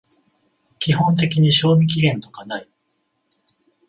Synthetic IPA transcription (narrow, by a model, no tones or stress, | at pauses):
kʲihõ̞nt̪e̞kʲiɲ̟iɕo̞ːmʲik̬ʲiɡẽ̞nt̪o̞kanai